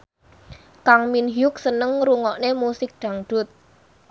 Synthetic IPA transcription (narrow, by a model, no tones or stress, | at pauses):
kaŋminɦjʊk̚sənəŋɾuŋɔʔnemusɪk̚ɖ̥a̤ŋɖ̪̥ʊ̤t̪̚